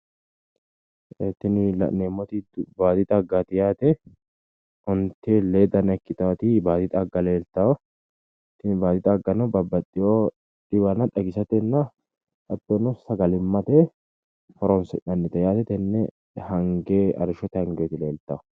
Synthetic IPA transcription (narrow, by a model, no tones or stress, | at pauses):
ɛt̪ːɪnɪlɐ̰nemːɔt̪ɪdbaːt̪ɪt̪ʼɐɡaːt̪ɪjaːt̪ɛ | ʔɔnt̪eleːd̪ɐnɐkːɪt̪aːt̪ɪbaːt̪ɪt̪ʼɐɡːɐle̞ːlt̪aː | t̪ːɪnbaːt̪ɪt̪ʼɐɡɐnɔbɐbːɐt̪ʼːɪjoː | ᶑɪbɐnɐᶑɐɡɪsɐt̪ɛnːɐ | ʔɐt̪ːonɔsɐɡɐlɪmːɐt̪eː | fɔɾɔnsɛnɐnːɪt̪ɛjaːt̪ɛt̪ɛnːɛ | hɐŋɡeɐ̰ɾɪʃɔt̪ɪhɐŋɡeːt̪ɪleːlt̪a